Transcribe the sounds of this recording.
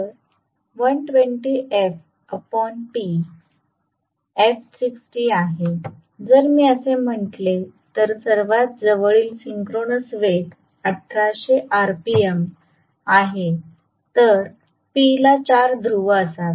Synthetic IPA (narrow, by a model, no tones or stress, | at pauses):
əɾ | ʋənʈʋeɳʈiʔef | əpɔnʈi | efsiksʈiaɦe | d͡zəɾmiːəsem̤əɳʈ̪let̪əɾsəɾʋat̪̚d͡zəʋəɭiːlsiŋkɾonəsʋek | əʈʰːaɕeʔaɾpiem | aɦe | t̪əɾ | pilat͡ɕaɾd̪ʱɾuʋəəsat̪